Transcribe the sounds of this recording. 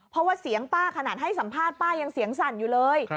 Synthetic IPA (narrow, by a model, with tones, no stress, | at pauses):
pʰɔ˦˥waː˥˩si˩˦əŋpaː˥˩kʰa˧naː˨˩t̪̚ɦa˥˩jsa˩˦mpʰaː˥˩t̪̚paː˥˩ja˧ŋsi˩˦əŋsa˨˩njuː˨˩lɤː˧j